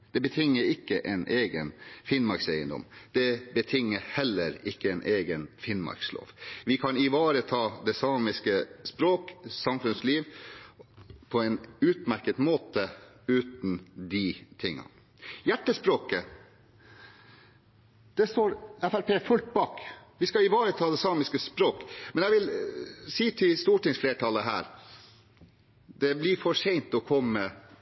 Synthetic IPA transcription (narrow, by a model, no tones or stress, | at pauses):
d̪̥ɛbət̪ʰɪŋːəɾɪkːəʔɛɪnʔeːɡənfɪnmɑɾkseɪənd̪ɔ̰md̪̥ɛbət̪ʰɪŋːəhɛlːəɾɪkːəɛnʔeːɡənfɪnmɑ̰ɾkslo̰ːʋʋɪkʰɑnɪʋɑːɾət̪ʰɑːd̪ɛsɑːmɪskəspɾoːksɑmfʉnsliːʋ | pʰɔɛnʉːt̪mæɾkət̪moːt̪ə | ʉːt̪n̩d̪it̪ʰɪŋːɑ̰ | jæʈːəspɾoːkə | d̪̥ɛst̪oːɾɛfæɾpʰeːfʉlt̪̚bɑːkʋɪskɑɪʋɑːɾət̪ʰɑːd̪ɛsɑːmɪskəspɾoːkmɛnæʋɪlsiːt̪ʰɪlst̪uːʈɪŋsfleːʈʰɑlːəɦæ̰ːɾ | d̪ɛblɪɾfɔʂɛɪnt̪ɔkʰɔmːə